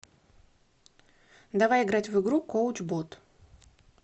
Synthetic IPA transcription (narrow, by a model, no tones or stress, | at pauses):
d̪avajɪɡɾat͡sʲvɨɡɾukɔwt͡ʃbɔt̪